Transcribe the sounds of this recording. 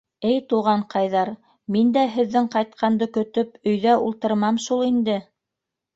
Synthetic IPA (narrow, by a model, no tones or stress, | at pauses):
ɘjt̪uʁɑɴqɑjðɑɾ | mind̪æɦɘ̆ðːɘŋqɑjt̪̚qʰɑnd̪ɤkɵ̆t̪ɵpɵ̆jðæʔulˠt̪ɤ̆ɾmɑmʃulˠind̪ɘ